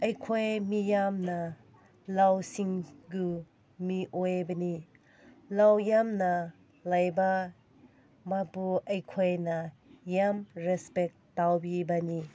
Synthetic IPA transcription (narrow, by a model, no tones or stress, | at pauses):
ɐjkʰojmijamna | lawsiŋɡu | miʔojbɐni | lawjamna | lajba | mapuɐjkʰojnɐ | jamɾɛspek̚tawbibani